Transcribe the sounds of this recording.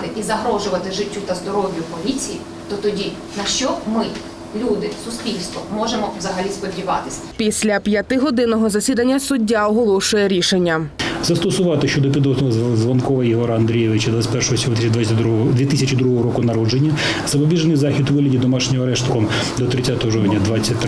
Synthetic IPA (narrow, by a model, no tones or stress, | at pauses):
t̪ɪʔizɐɦɾɔʒʊʋɐt̪ɪʒɪtʲːut̪ɐzd̪ɔɾɔʋʲjʊpɔlʲit͡sʲiji | t̪ɔt̪ɔdʲi | nɐʃt͡ʃɔmɪ | lʲud̪ɪsʊspʲilʲst̪ʋɔ̰mɔʒemɔwzɐɦɐlʲispɔdʲiʋɑt̪ɪ̥sʲɐpʲisʲlʲɐpʲjɐt̪ɪɦɔd̪ɪnɔɦɔzɐsʲid̪ɐnʲːɐsʊdʲːaɔɦɔlˠɔʃʊjɛɾʲiʃenʲːɐzɐst̪ɔsʊʋɑt̪ɪʃt͡ʃɔd̪ɔpʲid̪ɔznɔɦɔzzʋɐnkɔʋɐjɪɦɔɾɐɐnd̪ɾʲijɛʋɪt͡ʃɐd̪ʋat͡sʲsʲpɛrʃɔɦɔsʲɔɦt̪ɪd̪at͡sʲːd̪ʲʋʲit̪ɪsʲɐt͡ʃɪd̪ɾuɦɔɦɔɾɔkʊnɐɾɔd͡ʒenʲːɐ | z̥ɐpɔbʲiʒnɪjzɑxʲid̪ʋɪɦlʲɐdʲid̪ɔmɑʃnʲɪmɐɾɛʃt̪kɔm | d̪ɔt̪ɾɪtsʲat̪ɔɦɔʒɔwnʲɐd̪ʋɑt͡sʲːɐt̪̚ʲː